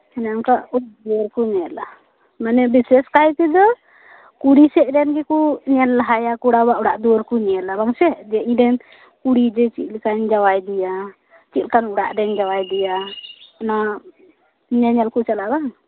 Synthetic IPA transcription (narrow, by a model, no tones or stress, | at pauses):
ɛnɛamkaʔuaʔd̪uɔɾkuɲɛla | manɛbisɛskajt̪id̪ɔ | kuɽisɛʔɾɛnɡɛkuɲɛlːaɦajakuɽabaʔuɽaʔd̪uɔɾkuɲɛlabaŋsɛd͡ʒɛʔiɲdɛn | kuɽid͡ʒɛt͡ʃit̪̚lkaɲd͡ʒawajd̪ɛja | t͡ʃit̪lkanuɽaʔdɛɲd͡ʒawajd̪ɛjana | ɲɛɲɛlkut͡ʃalabaŋ